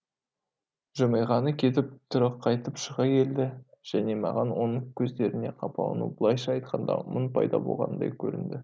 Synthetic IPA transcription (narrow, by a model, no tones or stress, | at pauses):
ʒəmɑjʁɑnəkʲʰe̞t̪ɪp̚t̪ʰʊɾɑqʰːɑjt̪əpʃəʁɑkʲʰe̞ld̪ɪʒ̥æne̞mɑ̰ʁɑnwo̞nəŋkʲʰɵzd̪e̞ɾɪne̞qʰɑpɑ̰w̰ˠnṵbəlˠɑjʃɑɑjt̪̚qʰɑnd̪ɑ̰mʊnpʰɑ̰jd̪ɑbo̞̰lˠʁɑ̰nəd̪ɑ̰jkʲʰɵ̰ɾɪ̰nd̪ɪ